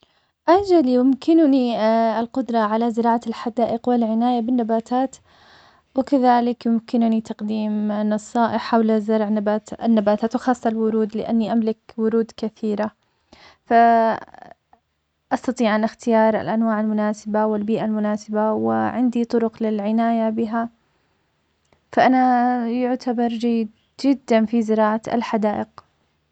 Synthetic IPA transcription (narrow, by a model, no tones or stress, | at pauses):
ʔad͡ʒalijʊmkɪnʊniɪlqʊd̪ɾˤɑʕalazɪɾɑːʕalħad̪aːʔɪqwalʕɪnaːjabɪnːabaːt̪ʰaːt̪ | wɪkaðaːlɪkjʊmkɪnʊnit̪ɑqd̪iːmnɑsˤːɑːʔɪħħawlazɑɾˤʕnabaːt̪ɪ̰nːabaːt̪aːt̪wɪxɑːsˤːɑlwʊɾuːd̪lɪʔa̰nːiʔamlɪkwʊɾuːd̪kaθiːɾa | fa | ʔɑst̪ɑt̪ˤiːʕʔanʔaxt̪ɪjɑːɾˤa̰lʔanwaːʕalmʊnaːsɪbawɪlbiːʔalmʊnaːsɪbawɪ̰ʕɪnd̪it̪ˤʊɾʊqlɪlʕɪnaːjabɪɦa | faʔanajʊʕt̪ʰabɑɾˤd͡ʒajːɪd̪ | d͡ʒɪd̪ːanfizɪɾɑːʕaa̰lħad̪aːʔɪq